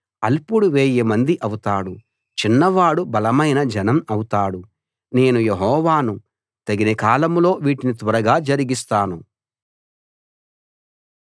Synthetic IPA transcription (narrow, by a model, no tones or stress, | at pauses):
ɐ̰lpuɽuʋeːjemɐnd̪iʔɐwut̪aːɽu | t͡ʃinːɐʋaːɽubɐlɐmɐjnɐd͡ʒɐnɐmɐwut̪aːɽu | ne̞ːnujeɦɔːʋaːnu | t̪ɐɡinekaːlɐmlo̞ːʋiːʈinit̪ʋɐɾɐɡaːd͡ʒɐɾiɡist̪aːnu